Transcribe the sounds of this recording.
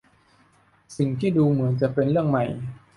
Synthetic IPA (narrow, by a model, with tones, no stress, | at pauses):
si˨˩ŋt̪ʰiː˥˩duː˧mɯ˩˦ənt͡ɕa˨˩pe˧nɾɯ˥˩əŋma˨˩j